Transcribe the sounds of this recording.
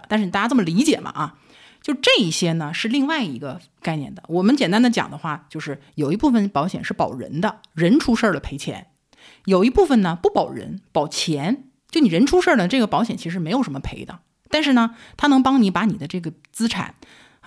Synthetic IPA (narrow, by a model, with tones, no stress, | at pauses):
t̪a˥˧ʂ̩˥˩˨t̪a˥˩a˥t͡sɤ˥˩mə˩li˧˥t͡ɕjɛ˨˩mʔɐ̰˦ʔɐ˧ | t͡ɕjo˥˧ʊʂʈ͡ʂɤ˥˧i˥˩ɕjɛ˥nə˨ʂɻ̩˥˧li˥˧ŋwa˥˩ɪi˧˥ɡə˧ | ka˥˧ɪnjɛ̰˥˩nd̪ə̰˩wɔ˨˩mə˦nt͡ɕjɛ˨˩nt̪a˥nd̪ə˨t͡ɕjɑ̰˨˩ŋd̪ə˦xwa˥˩t͡ɕjo˥˧ʊʂɻ̩˥˩jo˨˩ʊi˧˥pu˥˩fə˩npɑ˧˥ʊɕjɛ̰˨˩nʂɻ̩˥˩pɑ˨˩ʊɻə̰˧˥nd̪ə˧ | ɻə˧˥nʈ͡ʂʰu˥ʂə˞˥˩d̪ə˩pʰe˧˥ɪt͡ɕʰjɛ̰˧˥n | jo˨˩ʊi˧˥pu˥˩fə˨˩nnə˩pu˥˩pɑ˨˩ʊɻə̰˧˥npɑ˨˩ʊt͡ɕʰjɛ˧˥n | t͡ɕjo˥˩ʊni˨˩ɻə˧˥nʈ͡ʂʰu˥ʂə˥˩d̪ə˩ʈ͡ʂɤ˥˩ɡə˩pɑ˧˥ʊɕjɛ˨˩nt͡ɕʰi˧˥˧ɻ̩˧˥˩e˧˥ɪjo˨˩ʊʂə˧˥mə˧pʰe˧˥ɪd̪ə̰˧ | t̪a˥˧nʂ̬ɻ̩˥˩nə˩t̪ʰa˥nɤ˧˥ŋpɑ˥ŋni˧˥pa˧˥ni˨˩d̪ə˦ʈ͡ʂɤ˥˩ɡə˩ | t͡sɹ̩˥ʈ͡ʂʰa̰˨˩˦n